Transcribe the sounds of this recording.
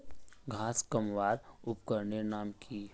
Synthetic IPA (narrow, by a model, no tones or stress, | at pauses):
ɡʱaːskəmʋaːɾʊpkəɾnenaːmkʰiː